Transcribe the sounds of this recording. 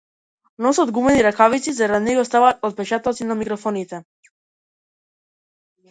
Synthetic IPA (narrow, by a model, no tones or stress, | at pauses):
nɔsad̪ɡumɛniɾakavit̪sizaɾad̪inɛɡɔst̪avat̪ɔt̪̚pɛt͡ʃat̪ɔt̪sinamikɾɔfɔnit̪ɛ